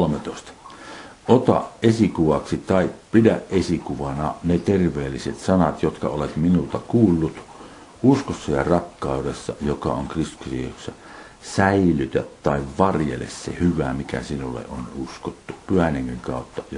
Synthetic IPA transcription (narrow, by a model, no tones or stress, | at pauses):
lmet̪oˑest̪ɑ̥ʔot̪ɑ̰ʔʔʔesikuʋɑksit̪ɑipidæʔʔesikuʋɑnɑnet̪erʋˑeːlːiset̪sɑnɑt̪jot̪kɑolet̪minult̪ɑkuːlːut̪ | ʔuskosːɑjɑrɑkːɑˑudesːɑjokɑ̰oŋkrist̪u̥ksḭjo̰ksːɑ | sæilyt̪ætt̪ɑˑiʋʋɑrjḛlḛssḛhyʋæmikæ̰sinulːḛʔʔonuskot̪ːupyhæneŋːiŋkɑˑot̪ːɑj